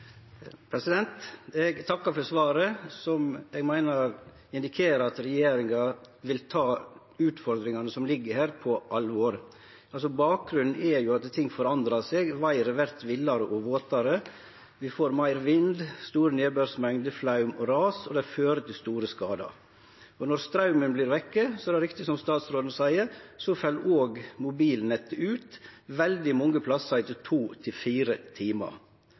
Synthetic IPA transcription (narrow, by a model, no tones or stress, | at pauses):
pʰɾɛsɪd̪ɛnt̪ɛɡt̪ʰɑkːɑfɔɾsʋɑːɾəsɔmɛɡmæɪnɑɾ | ɪnd̪ɪkʰeːɾəɾɑt̪ɾɛjeːɾɪŋɑ | ʋɪlt̪ʰɑː | ʉːt̪fɔɾd̪ɾɪŋɑnəsɔmlɪɡːəhæːɾpʰɔʔɑlːəʋoːɾ | ʔɑlsɔbɑːk̚ɡɾʉnn̩ɛɾjʊɑt̪t̪ʰɪŋːfɔɾɑnd̪ɾɑseːɡʋæɪɾəʋæɾt̪ʋɪlːɑɾəʔɔʋoːt̪ɑɾə | ʋɪfoːɾmæɪɾʋɪnd̪st̪uːɾəneːbøɾsmɛŋd̪əflɑʉmɔɾɑːsɔd̪ɛɪføːɾət̪ʰɪlst̪uːɾəskɑːd̪ɑ̰ɾ | ɔnɔɾst̪ɾɑʉmənblɪːɾʋɛkːəsɔɛɾd̪ɛɾɪkt̪ɪsɔmst̪ɑːt̪sɾoːd̪n̩əsæɪəɾsɔfɛlʔoːɡmʊbiːlnɛt̪ːəʉːt̪ʋɛld̪ɪmɔŋːəpʰlɑsɑt̪ət̪ʰuːt̪ʰɪlfiːɾət̪ʰiːmɑ̰ɾ